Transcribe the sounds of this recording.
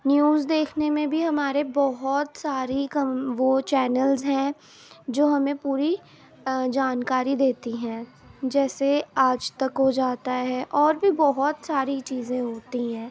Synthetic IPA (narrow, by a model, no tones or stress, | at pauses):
njuːzd̪eːkʰnemẽbʱiɦɐmaːɾebɔɦɔt̪saːɾikɐʋot͡ʃɛːnəlzɦɛ̃ | d͡ʒoːɦɐmẽpuːɾi | d͡ʒaːnkaːɾid̪eːt̪iɦɛ̃ː | d͡ʒɛːseaːd͡ʒt̪ɐkɦod͡ʒaːt̪aɦɛʔɔːɾbʱibɔɦɔt̪saːɾit͡ʃiːzẽɦoːt̪iɦɛ̃ː